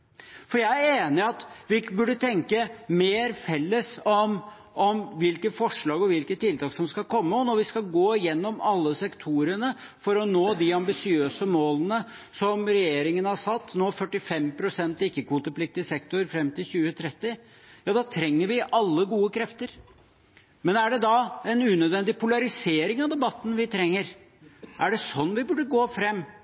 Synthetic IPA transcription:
fɔɾjæɪæɾeːnɪɑt̪ʋɪbʉɖːət̪ʰɛŋkəmeːɾfɛlːəsɔm | ʔɔmʋɪlkəfɔʂɭɑːɡɔʋɪlkət̪ʰːɪlt̪ʰɑːksɔmskɑlkʰɔmːəɔnɔɾʋɪskɑɡoːjɛnːɔmɑlːəsɛkt̪ʰuɾənə | fɔɾɔnoːd̪ɪɑmbɪsɪøːsəmoːlənəsɔmɾɛjeːɾɪŋənhɑsɑt̪ːnoːfœʈːɪfɛmpʰɾʊsɛnt̪ɪkːəkʰʋuːt̪əpʰlɪk̚t̪ɪsɛkt̪ʊɾfɾɛmːt̪ɪlɕʉːət̪ʰɾɛt̪ːɪ | jɑːd̪ɑt̪ʰɾɛŋːəɾʋɪʔɑlːəɡuːəkʰɾɛft̪əɾ | mɛnæɖɛd̪ɑɛnʉːnœd̪ʋɛnd̪ɪpʰʊlɑɾɪseːɾɪŋɑʋd̪ɛbɑt̪ːn̩ʋɪt̪ʰɾɛŋːəɾ | ʔæɖɛsɔnːʋɪbʉɖːəɡoːfɾɛmː

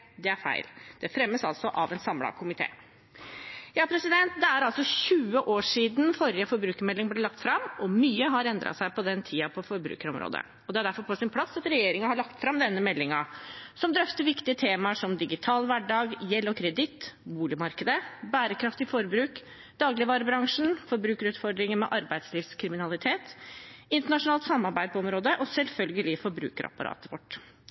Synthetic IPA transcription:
d̪ɛæɾfæ̰ɪld̪̥ɛfɾɛmːəsɑ̰lsɔʔɑʋɛnsɑmlɑ̰kʰʊmɪt̪ʰḛː | jɑːpʰɾɛsɪd̪ɛnt̪̚d̪ɛæɾɑlsɔɕʉːəʔoːʂiːd̪n̩fɔɾjəfɔɾbɾʉːkəɾmɛlːɪŋblɛlɑkt̪fɾɑmʔɔmyːəɦɑɾɛnd̪ɾɑ̰t̪sæɪpɔd̪ɛnt̪ʰiːɑpʰɔfɔɾbɾʉ̰ːkəɾɔmɾo̰ːd̪ə̰ | ɔd̪ɛæɖæɾfɔɾpʰɔsɪnpʰlɑsːɑt̪ɾɛjeːɾɪŋənhɑɭɑkt̪fɾɑmd̪ɛnːəmɛlːɪŋɑsɔmd̪ɾœft̪əɾʋɪkt̪ɪət̪ʰeːmɑʂɔmd̪ɪɡɪt̪ʰɑːlʋæɖɑːɡjɛlːɔkʰɾɛd̪ɪt̪ːbuːlɪmɑɾkəd̪əbæːɾəkʰɾɑft̪ɪfɔɾbɾʉːk | d̪̥ɑːɡlɪʋɑːɾəbɾɑŋʂɳ̩fɔɾbɾʉːkəɾʉːt̪fɔɾɖ̪ɾɪŋənmɛʔɑɾbæɪd̪sliːfskʰɾɪmɪnɑlɪt̪ʰeːt̪ɪnt̪əɳɑʂʊnɑːlt̪sɑmːɑɾbæɪpɔɔmɾoːd̪əʔɔsɛlfœlɡəlɪfɔɾbɾʉ̰ːkəɾɑ̰pːɑɾʔɑ̰ːt̪əʋɔʈː

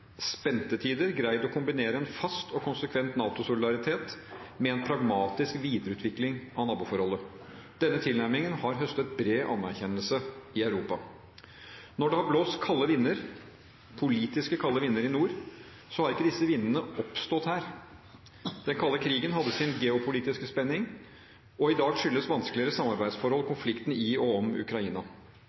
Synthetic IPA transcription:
spɛnt̪ət̪ʰiːd̪əɾɡɾæɪd̪ɔkʰʊmbɪneːɾəɛnfɑst̪ɔkʰʊnsəkʰʋɛnt̪nɑːt̪ʊsʊlɪd̪ɑɾɪt̪ʰeːt̪ | mɛɛnpʰɾɑɡmɑːt̪ɪskʋiːd̪ɾəʉːt̪ʰʋɪklɪŋʔɑnɑːbuːfɔɾhɔlːə | d̪̥ɛnːət̪ʰɪlnæɾmɪŋənhɑɾɦœst̪ət̪̚bɾeːʔɑ̰nːæɾçɛnːəlsəɪɑʉɾuːpɑ | nɔɖɛhɑɾbloːst̪kʰɑlːəʋɪnːəɾ | pʰʊliːt̪ɪskəkʰɑlːəʋɪnːəɾɪnuːɾ | sɔhɑɾɪkːəd̪ɪsːəʋɪnːənəɔpst̪ɔt̪hæːɾ | d̪̥ɛnkʰɑlːəkʰɾiːɡənɦɑd̪ːəsɪnɡɛʊpʰʊliːt̪ɪskəspɛnːɪŋ | ɔɪd̪ɑːɡʂʏlːəsʋɑnskəlɪəɾəsɑmːɑɾbæɪd̪sfɔɾhɔlkʰʊnflɪkt̪n̩ɪɔɔmʉ̰kɾɑiːnɑ

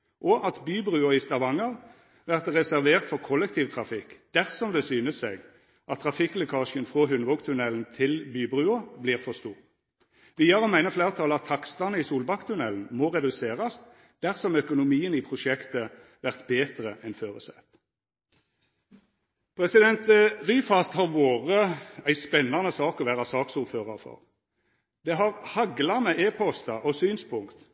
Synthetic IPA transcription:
ʔɔʔɑt̪byːbʁʉːɔɪst̪ɑʋɑŋəʁ | ʋæʁt̪ʁɛsæʁʋeːʁt̪fɔʁkʰɔlːɛkt̪iːʋt̪ʰʁɑfɪkːd̪̥æʁsɔmd̪ɛsyːnəseːɡ | ʔɑt̪ʰːʁɑfɪklʊkʰɑːʃənfʁoːɦʉnʋɔkt̪ʰʉnɛln̩t̪ʰɪlbyːbʁʉːɑbliːʁfɔʁst̪uːʁ | ʋiːɑʁɔmæɪnəfleːʁt̪ʰɑlɑt̪ʰːɑkst̪ɑnəiːsuːlbɑkːt̪ʰʉnɛln̩moːʁɛd̪ʉseːʁɑs | d̪̥æʁsɔmœkʊnʊmiːəniːpʰʁʊʃɛkt̪ə | ʋæʁt̪beːt̪ʁəʔɛnføːʁəsɛ̰t̪ | pʰʁɛsɪd̪ɛnt̪ʁyːfɑst̪hɑʁʋoːʁəæɪspɛnːɑnəsɑːkɔʋæːʁɑsɑːksuːɾføːʁɑʁfɔ̰ʁ | d̪̥ɛɦɑʁhɑɡlɑmɛʔeːpʰɔst̪ɑʔɔsyːnspʰʊŋkt̪

